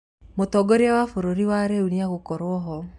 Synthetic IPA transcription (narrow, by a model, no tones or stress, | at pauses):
motɔɡoɾeawafoɾoɾiwaɾeuniaɣokɔɾwɔɦɔ